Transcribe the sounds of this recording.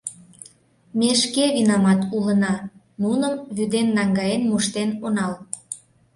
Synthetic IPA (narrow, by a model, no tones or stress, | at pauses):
meʃkeβinɑmɑt̪ulənɑ | nunəmβyd̪enːɑŋɡɑjenmuʃt̪enonɑl